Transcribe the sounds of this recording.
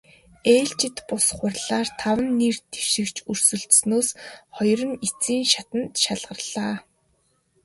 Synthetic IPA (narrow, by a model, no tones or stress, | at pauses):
eːɬt͡ɕɪ̆t̪pʊsχʊrɮaːrt̪ʰawə̆nːirt̪ʰe̥ʃɪ̆kt͡ɕʰɵr̥sɵ̆ɮt̪snoːsχɔjrə̆nit͡siːŋʃat̪ə̆nt̪ʃaɮʁə̆rɮ̥aː